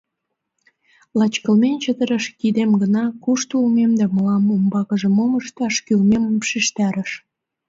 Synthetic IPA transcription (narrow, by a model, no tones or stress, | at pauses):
lɑt͡ɕkə̆lmenʲt͡ɕəd̪əɾəʃkid̪emɡənɑkuʃt̪ulmemd̪æməlɑmombɑkəʒə̆moməʃt̪ɑʃkylmeməmpʃiʃt̪ɑɾəʃ